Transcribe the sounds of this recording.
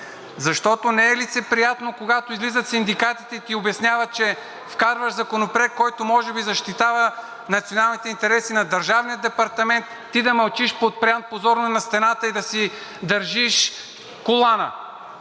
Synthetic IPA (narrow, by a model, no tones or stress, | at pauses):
zɐʃt̪ɔt̪onɛɛlit̪sɛpɾijat̪nokoɡat̪oizlizət̪sind̪ikat̪it̪ɛt̪iobɛsnʲjavət͡ʃɛ | fkaɾvəʃzɐkonopɾɛk̪̚kːɔjt̪omɔʒɛbizɐʃt̪it̪avə | nɐt̪sionalˠnit̪ɛint̪ɛɾɛsinɐd̪ɐɾʒavnijəd̪ɛpɐɾt̪ɐmɛnt̪ːid̪ɐmɐlˠt͡ʃiʃpot̪̚pɾʲiant̪̚pozɔɾnonɐst̪ɛnat̪əid̪ɐsi | d̪ɐɾʒiʃ | kolˠanə̰